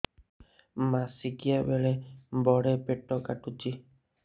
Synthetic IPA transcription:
masikijabeɭebɔɽepeʈɔkaʈut͡ʃi

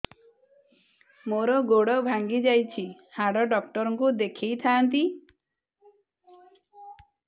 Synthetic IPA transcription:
moɾɔɡoɽɔbʱaŋɡid͡ʒajt͡ʃʰi | haɽɔɖɔkʈɔɾɔŋkud̪ekʰejt̪ʰaːnt̪i

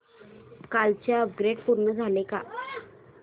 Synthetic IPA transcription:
kalt͡ɕjaəp̚ɡɾeɖpuɾɳəd͡zʱaleka̰

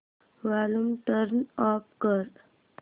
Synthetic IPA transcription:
ʋalumʈəɾnɔːpkəɾ

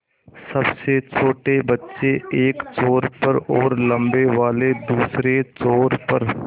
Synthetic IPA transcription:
sɐbset͡ʃʰoːʈebɐtːʃeeːkt͡ʃoːɾpəɾɔːɾlə̃mbeʋaːled̪uːsɾet͡ʃoːɾpɐɾ

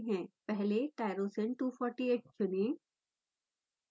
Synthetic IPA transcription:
ɦɛ̃ːpɛɦleʈaːɪɾoːsẽnʈuːfʰɔːɾʈieːʈ̚t͡ʃʊne

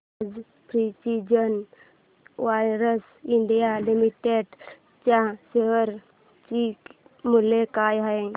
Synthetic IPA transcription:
d͡z | pɾisid͡ʑən | ʋajɾəs | iɳɖijalimiʈeɖ | t͡ɕaseɦəɾ | t͡ɕi | mulekajɦae

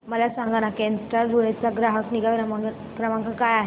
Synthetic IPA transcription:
məlasãŋɡanakensɾaɾuɭet͡saɡɾaɦəkniɡaəma | kɾəmãŋkakajaɦe

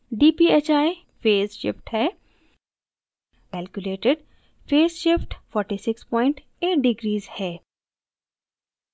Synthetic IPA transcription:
ɖiːpiːeːt͡ʃaːi | feːsʃɪ̰fʈhɛː | kɛːlkjʊleːʈɪɖ | feːsʃɪfʈfɔːɾʈiːsɪkspɔːɪ̃ɳʈ | eːʈ̚ɖɪɡɾiːzhɛː

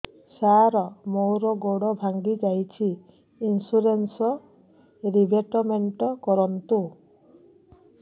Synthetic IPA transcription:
saɾɔmowɾɔɡoɽɔbʱaŋɡid͡ʒajt͡ʃʰiː | nsuɾensɔ | ɾibʱeʈɔmeɳʈɔkɔɾɔnt̪u

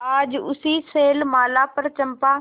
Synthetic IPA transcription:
aːd͡ʒʊ̰siseːlmaːlapɐɾt͡ʃɐ̃mpã

